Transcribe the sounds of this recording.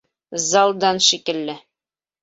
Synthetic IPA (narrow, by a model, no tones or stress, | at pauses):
zɑlˠd̪ɑnʃikɘ̆lːɘ